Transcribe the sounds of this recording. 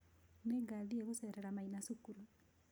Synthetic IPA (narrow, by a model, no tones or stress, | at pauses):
neɡalieɣuseɾeɾamainasukuɾu